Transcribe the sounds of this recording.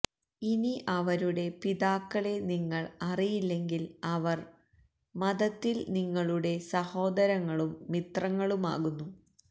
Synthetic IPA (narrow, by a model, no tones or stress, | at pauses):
iniʔɐʋɐɾuɽe̞piðaːkːɐɭe̞niŋːɐɭɐrijilːe̞ŋɡilɐʋɐr | mɐðɐt̪ːilniŋːɐɭuɽe̞sɐho̞ːd̪ɐɾɐŋːɐɭumːit̪rɐŋːɐɭuma̰ːɣunːu